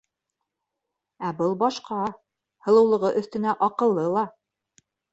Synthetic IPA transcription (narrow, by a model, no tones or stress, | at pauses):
æbɤlˠbɑʃqʰɑ | hɤ̆lˠɤ̆wlˠɤ̆ʁɤʔɵ̆θt̪ɘ̆næʔɑqɤ̆lˠːɤlˠɑ